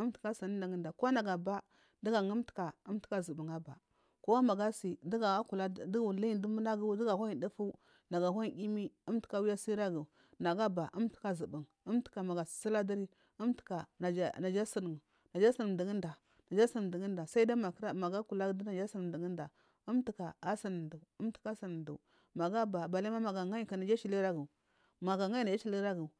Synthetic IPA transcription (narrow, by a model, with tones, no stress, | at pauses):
u˦m˦tka˦sa˨n˦nda˨ɡə˦nda˨ko˦na˨ɡa˨ba˦ | da˦ɡa˨ŋu˦m˦tka˨u˦m˦ti̥˦ka˦zə˨bu˨ŋa˦ba˨ | ko˦a˦ma˨ɡa˦si˨di˦ɡa˨a˦ku˨la˦˨dɡli˦i˦˨du˦mu˦na˦ɡu˦dɡa˨hʷa˦i˨di˦fu˦ | na˨ɡa˨ɦʷa˦i˦ɡi˦mi˦u˦m˦ti̥˦ka˦wi˦ja˦si˦ɾa˦ɡu˨ | na˨ɡa˦ba˨ʔu˦m˦tka˦zu˨bu˨ŋ | u˦m˦tka˨ma˨ɡa˨ssi˦la˦da˦ɾi˦ | u˦mti̥˨ka˨˦na˨d͡ʒa˦si˦n˨ŋu˨ | na˨d͡ʒa˦si˦n˨də˨ɡi˦nda˨ | na˨d͡ʒa˦sə˦˨də˨ɡə˦nda˨sa˦i˦da˦ma˨kɾa˦ma˨ɡa˦ku˨la˦da˦na˨d͡ʒa˦si˦n˨di˨ɡi˦nda˨ | u˦mti˨ka˨a˦sa˦n˨ndu˨u˦m˦ti̥˨ka˦si˨n˨dṵ˨ | ma˨ɡa˦ba˨ba˨la˦ma˦ma˨ɡa˨ŋa˦ka˨na˨d͡ʒa˦t͡ʃi˨li˦ɾa˦ɡi˨ | ma˨ɡa˨ŋa˦i˦na˨d͡ʒa˦t͡ʃi˨li˦ɾa˦ɡi˨